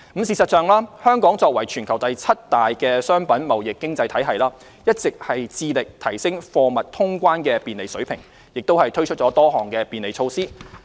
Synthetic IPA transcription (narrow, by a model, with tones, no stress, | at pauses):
m̩˨˧siː˨sɐ˨t̚t͡sœː˨˧ŋlaː˥hœː˥ŋkɔː˨˥ŋt͡sɔː˧k̚wɐ˨˩jt͡ʃʰyː˨˩nkʰɐ˨˩wt̪ɐ˨jt͡sʰɐ˥t̚t̪aː˨jkɛː˧sœː˥ŋpɐ˨˥nmɐ˨wjɪ˨kːɪ˥ŋt͡sɐ˧jt̪ʰɐ˨˥jɦɐ˨jlaː˥ | jɐ˥t̚t͡sɪ˨k̚hɐ˨jt͡siː˧lɪ˨k̚t̪ʰɐ˨˩jsɪ˥ŋfɔː˧mɐ˨t̚t̪ʰʊ˥ŋkʷaː˥nkɛː˧piː˨nle˨jsɵ˨˥ɥpʰɪ˨˩ŋ | jɪ˨k̚t̪o˥whɐ˨jt̪ʰɵ˥ɥt͡ʃʰɵ˥t̚t͡sɔː˨˥t̪ɔː˥ɦɔː˨˩ŋkɛː˧piː˨nle˨jt͡ʃʰo˧wsiː˥